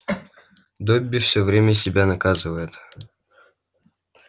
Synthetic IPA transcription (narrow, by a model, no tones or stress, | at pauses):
d̪obʲːɪfsʲɵvɾʲemʲəsʲɪbʲanɐkazɨvəjɪt̪